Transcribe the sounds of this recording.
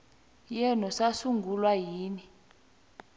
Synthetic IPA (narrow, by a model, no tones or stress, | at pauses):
jɛnɔsasuŋɡʱulwajiːni